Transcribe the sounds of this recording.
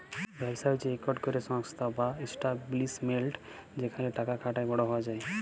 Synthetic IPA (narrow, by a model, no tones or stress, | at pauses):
bʱɛbsat͡ʃeɾekɔɾɖkɔɾesɔŋkst̪ʰabaesʈablismelʈd͡ʒekʰanleʈakakʰaʈajbɔɽɔɦɔad͡ʒaj